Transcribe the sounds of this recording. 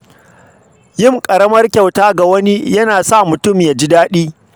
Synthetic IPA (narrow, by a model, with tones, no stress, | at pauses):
jɪ˦˨mkʼɐ˨ɾɐ˦mɐ˦rkʲɐ˨wtaː˦ɡa˨wɐ˦ni˦jɐ˦naː˨sa˦˨mʊ˨tʊ˦m˨ja˨d͡ʒi˦daː˦ɗiː˦